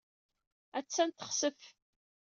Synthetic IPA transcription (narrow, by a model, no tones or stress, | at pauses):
æt͡sːænt̪ə̥χsəf